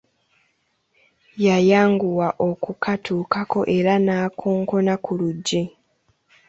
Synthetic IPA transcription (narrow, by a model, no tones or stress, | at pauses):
jajaːŋɡuwaʔo̞kukʰatʰuːkako̞ʔe̞ɾanaːkʰoːŋko̞nakʰuluɟːe